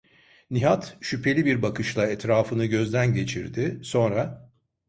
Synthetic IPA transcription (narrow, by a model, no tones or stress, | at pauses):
niɦat̪ʃypʰe̞lʲibiɾbakɯʃlˠaɛt̪ɾaːfɯnɯɟø̞zd̪ænɟe̞t͡ʃʰiɾd̪ɪso̞nɾa